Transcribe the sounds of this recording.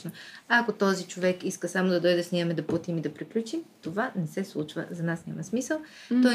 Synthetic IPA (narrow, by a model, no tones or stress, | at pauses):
noakot̪ɔzit͡ʃovɛkiskəsamod̪ɐd̪ɔjd̪ɛsniəmɛd̪ɐput̪imid̪ɐpɾiklʲut͡ʃimt̪ovanɛsɛslˠut͡ʃvə̰zɐnasnʲamɐsmisəlˠ | t̪ɔ